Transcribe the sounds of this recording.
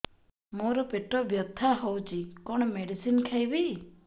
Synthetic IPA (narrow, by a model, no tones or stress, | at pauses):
moɾɔpeʈɔbjɔt̪ʰːaɦɔwt͡ʃikɔɽ̃ɔmeɖisinkʰajbi